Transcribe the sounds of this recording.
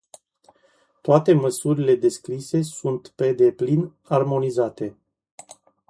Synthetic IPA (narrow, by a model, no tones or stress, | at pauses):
t̪oat̪e̞məsuɾile̞d̪e̞skɾise̞sunt̪pe̞d̪e̞plin | armo̞nizat̪e̞